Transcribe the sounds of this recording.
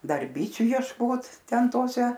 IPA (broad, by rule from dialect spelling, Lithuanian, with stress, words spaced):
ˈdɐr ˈbʲiːt͡ʃʲʊ jiɛʃˈkoːt ˈtʲɛn ˈtoːsʲɛ